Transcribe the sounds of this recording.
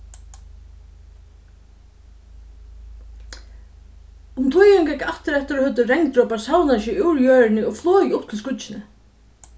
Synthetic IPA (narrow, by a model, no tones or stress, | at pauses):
ʊmt̪ʰʊjaŋkɛkːaht̪ɪɾɛht̪ɪɾɔhœt̪̬ːʏɾɛŋt̪ɾoːwpasawnaʃɪuwɾjœːɹɪnɪɔɣflɔːjɪʊp̚t̪ʰɪlskʊʒɪnɪ